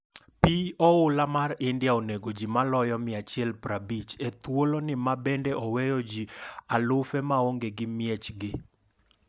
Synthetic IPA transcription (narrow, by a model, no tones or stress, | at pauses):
piɔʊlamarɪndjaoneɡod͡ʒimalɔjɔmɪat͡ʃjɛlpɾabit͡ʃet̪wolonɪmabɛndɛʔɔwɛjɔd͡ʒialʊfɛmaoŋɡeɡɪmjɛt͡ʃɡɪ